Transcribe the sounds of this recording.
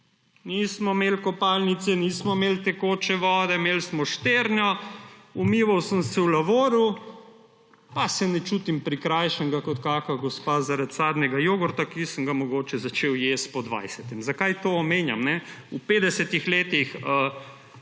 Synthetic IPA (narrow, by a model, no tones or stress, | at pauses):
niːsmɔmeːlkɔpalnit̪sɛniːsmɔmelt̪ɛkoːt͡ʃɛʋɔːd̪ɛmelsmɔʃt̪eːɾnjɔumiːʋawsəmsɛwlaʋoːɾu | pasɛnɛt͡ʃuːt̪impɾikɾajʃəŋɡakɔt̪kaːkaɡɔspazaɾat̪saːd̪nɛɡajoːɡɔɾt̪akisəŋɡamɔɡoːt͡ʃɛzat͡ʃeːwjest̪̚pɔd̪ʋa̰jsɛt̪ɛmzakajt̪oːɔmeːnja̰mnɛ | upeːd̪ɛsɛt̪ixleːt̪ixə